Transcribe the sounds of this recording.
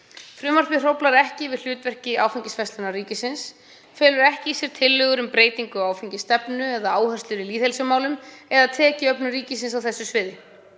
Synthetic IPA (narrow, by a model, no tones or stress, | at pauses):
fɾʏmar̥pɪr̥owplaɾɛhcɪvɪðl̥ʏːt̪vɛr̥cɪaːwfaɲcɪsfɛst̪ʏnariːcɪsɪns | fɛːlʏɾɛhcɪisjɛɾ̥t̪ʰɪlːʏːɣʏɾʏmpɾeːjt̪iŋkʏɔaːwfeɲcɪst̪ɛpnʏɛðaaːwhœr̥st̪lʏɾɪliːðhejlsʏmaːwlʏmɛðaðt̪ʰɛːcɪœpnʏriːcɪsɪnsawθɛsːʏsvɪːðɪ